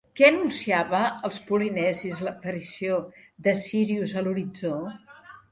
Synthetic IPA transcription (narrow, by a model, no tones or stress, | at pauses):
kɛənunsiaβəːlˠspulinɛzizləpəɾisioðəsiɾiuzəluɾid͡zo